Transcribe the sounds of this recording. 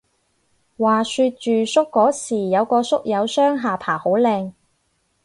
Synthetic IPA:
waː˨syː˧t̚t͡ʃyː˨sʊ˥kːɔː˨˥siː˨˩jɐ˨˧wkɔː˧sʊ˥k̚jɐ˨˧wsœː˥ŋɦaː˨˩pʰaː˨˩ho˨˥wlɛː˧ŋ

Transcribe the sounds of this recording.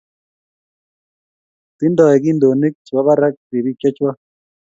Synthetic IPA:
t̪i˦ndɔ˨ɛ˨k̬i˦ndo˨ni˦k̚t͡sa˦βa˦ɾa˦k̚t̪i˨ɾi˦ka˦t͡ʃwa˦

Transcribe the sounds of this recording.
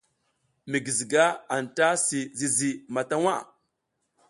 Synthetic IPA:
mi˨ɡi˨zi˨ɡa˦a˨n˨ta˦si˨zi˨zi˨ma˨ta˦wa˦˨

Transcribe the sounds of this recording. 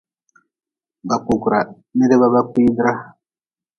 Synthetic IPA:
ba˨ku˨ku˨ɾa˨ | ne˦ɾe˦βa˦βa˦kʷi˦dɾa˦

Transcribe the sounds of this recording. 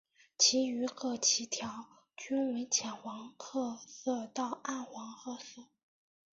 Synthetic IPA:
t͡ɕʰi˧˥y˧˥kʰɤ˥˩t͡ɕʰi˧˥t̪ʰjɑ˧˥ʊ | t͡ɕy˥nwe˧˥ɪt͡ɕʰjɛ˨˩nxwɑ˧˥ŋkʰɤ˥˧sɤ˥˧t̪ɑ˥˧ʊa˥˩nxwɑ˧˥ŋxʰɤ˥˧sɤ˥˩

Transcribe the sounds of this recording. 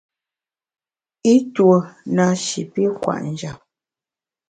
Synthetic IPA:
i˦two˨na˨ʃḭ˨pi˦kwa̰˨ʔn̩˨d͡ʒa˨p̚

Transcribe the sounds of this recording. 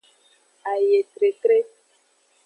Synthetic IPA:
a˨je˨t̪ɾe˨t̪ɾe˦

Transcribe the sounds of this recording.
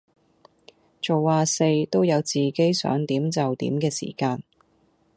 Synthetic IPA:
t͡ʃo˨wːaː˨˧se˧jt̪o˥wjɐ˨˧wt͡siː˨˩ke˨˥jsœ̰ː˨˥ŋt̪iː˨˥mt͡sɐ˨wt̪ḭː˨˥mkɛː˧sḭː˨˩kaː˧n

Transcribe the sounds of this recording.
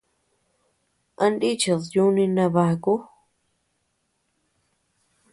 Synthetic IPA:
ã˧nd̪i˦t͡ʃa˨ðju˦nĩ˧nã˧βa˧ku˦

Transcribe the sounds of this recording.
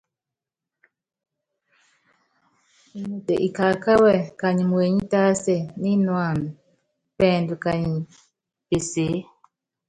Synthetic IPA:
mu˨te˨ʔi˨ka˨ka˦wɛ˦˨ka˨ɲi˨m˨we˨ɲi˦ta˦sɛ˦˨ni˦nwa˨n˨ | pɛ˨ndu˨ka˨ɲi˨ | pe˨se˨˦

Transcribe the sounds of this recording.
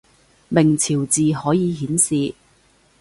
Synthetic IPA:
mɪ˨˩ŋt͡sʰiː˨˩wt͡siː˨hɔː˨˥jiː˨˧ɦiː˨˥nsiː˨

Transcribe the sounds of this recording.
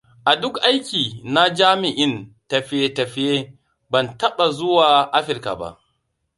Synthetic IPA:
ʔa˨dʊ˦kʔa˦jkʲiː˨na˦d͡ʒaː˦mɪ˨ʔɪ˦ntɐ˨ɸɪ˦je˦tɐ˨ɸɪ˦jeː˦ | bɐ˨ntɐ˦ɓa˨zʊ˦waː˨ʔa˦ɸɪ˨lka̰˨ba̰˦˨ʔ

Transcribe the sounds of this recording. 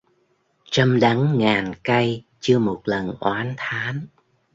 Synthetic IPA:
t͡ɕa˧mɗa˨˦ŋŋaː˨˩nka˧jt͡ɕɨ˧əmo˨˩t̚lə˨˩nʔwaː˨˦nt̪ʰaː˨˦n

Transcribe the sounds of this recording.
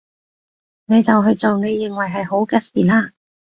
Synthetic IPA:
ne˨˧jt͡sɐ˨wɦɵ˧ɥt͡so˨wne˨˧jːɪ˨ŋwɐ˨jɦɐ˨jho˨˥wkɐ˧siː˨laː˧

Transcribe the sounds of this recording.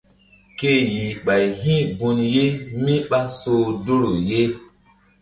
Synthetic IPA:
ke˦˨ji˨ɓa˨jɦĩ˦bu˧nje˦mi˦ɓa˦so˨do˦ɾo˨je˦

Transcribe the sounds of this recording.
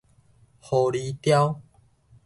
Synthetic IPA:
ho˨˩li˨˦t̪ja˦w

